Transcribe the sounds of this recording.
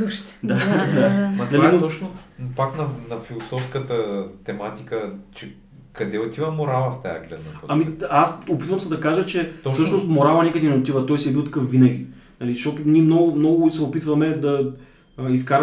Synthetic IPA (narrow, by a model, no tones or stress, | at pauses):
uʃt̪d̪ad̪amɐt̪nɐlainot̪ɔt͡ʃnopaknɐnɐfilˠosɔfskət̪ət̪ɛmat̪ikət͡ʃɛ | kɐd̪ɛot̪ivɐmoɾavɐft̪a̰jɐ̰ɡlɛ̰t̪nɐɔamiasopit̪vɐmsɐd̪ɐkaʒət͡ʃɛɔsɤʃnost̪moɾavɐnɛkəd̪ɛnɛot̪ivɐt̪ɔjsiɛbilˠt̪ɐ̥kɤfvinɐɡʲi | nɐliʃtɔt̪ʊnʲiɛmnɔɡʊmnɔɡʊkit̪sɛopit̪vɐmɛd̪ɐ | iskaɾ